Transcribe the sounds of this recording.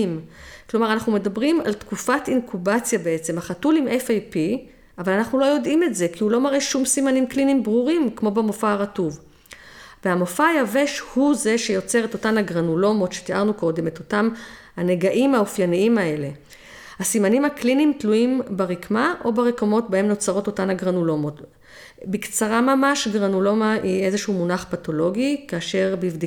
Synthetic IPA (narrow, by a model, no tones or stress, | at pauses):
mklo̞maʁanaχnume̞dabʁima̰ltkufatinkʰubat͡sjabeet͡se̞maχatulimefajpi | avalanaχnulo̞jo̞dimetze̞kʰiulo̞maʁeʃumsimanimklinimbʁuʁimkmo̞bemofaːʁatuv | vehamofajave̞ʃhuze̞ʃejo̞t͡seʁeto̞tanaɡʁanulo̞mo̞tʃe̥tiʔaʁnuko̞de̞meto̞tamhaneɡaʔimaufjaniimae̞le̞ | hasimanimhaklinimtluimbaʁikmaʔo̞baʁekamo̞tbae̞mno̞t͡saʁo̞to̞tanhaɡʁanulo̞mo̞t | bikt͡saʁamamaʃɡʁanulo̞maʔie̞zeʃumunaχpato̞lo̞ɡikaːʃe̞ʁbivd̪i